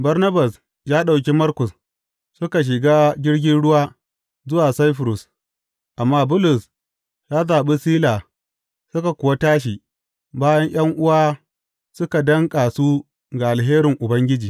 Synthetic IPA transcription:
bɐ˦rnɐ˦ba˨s | jaː˦ɗa˨wk̬ʲi˦mɐ˦rkʊ˨s | sʊ˦ka˨ʃ̬ɪ˨ɡaː˦ɡʲɪ˦ɽɡʲɪ˦nɽʊ˦waː˦ | zʊ˦waː˨sa˦jɸʊ˨ɾʊ˨s | ʔa˨mːaː˦bʊ˦lʊ˨s | jaː˦zaː˨ɓi˦siː˦laː˨ | sʊ˦ka˨kʷʊ˨wa˦taː˦ʃ̬iː˨ | baː˦jɐ˦ɲj̰ɐ˦ŋʔʊ˦waː˦ | sʊ˦ka˨dɐ˦ŋkʼa˨su˦ | ɡa˨ʔa˨lɦeː˦ɾɪ˨ŋʔʊ˨bɐ˦ŋɡʲɪ˦d͡ʒiː˨

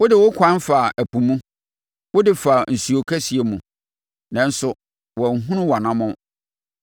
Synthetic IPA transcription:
wʊ˦dɪ˨wʊ˦kʷʰã˦nfa˨ʔæ˨pu˨mũ˦ | wʊ˦dɪ˨fa˨n̩˨su˨o˨kʰæ˦si˨e˨mũ˨ | nã˨n̩˦sʊ˨ | wɔ˨ɦũ˦nʊ̃˦wa˨nã˦mʊ̃˦

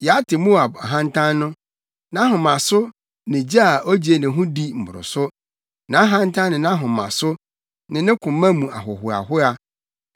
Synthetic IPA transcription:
jɛ˨a˦tʰɪ˨mũ˦a˨ba˨ɦã˦n˦tʰã˦nnʊ̃˦ | nã˦ɦʊ̃˨mã˨sʊ˦ | nɪ̃˨d͡ʑa˦a˨ʔo˦d͡ʑi˨e˨nɪ̃˨ɦʊ̃˦di˦m̩˨bʊ˨ɾʊ̰˨sʊ˦ | nã˨˦ɦã˦n˦tʰã˦nɪ̃˨nã˦ɦʊ̃˨mã̰˨sʊ˦ | nɪ̃˨nɪ̃˦kʰʊ̃˨mːã˦mũ˨a̰˨ɦʊ˨hʊ˨a̰˨ɦʊ˦a˨

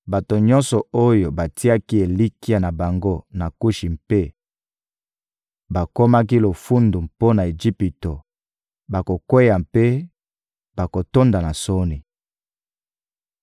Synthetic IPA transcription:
ba˨to˨ɲɔ̃˦nsɔ˨o˦jo˨ba˨ti˦a˦ki˦e˨li˦ki˦a˦na˨ba˨ŋɡo˦na˨ku˦ʃi˨mpe˦ | ba˨ko˦ma˦ki˦lo˨fu˦ndu˨mpo˦na˨e˨d͡ʒi˦pi˨to˨ | ba˨ko˨kwe˦ja˨mpe˦ | ba˨ko˨to˦nda˨na˨so˦ni˨

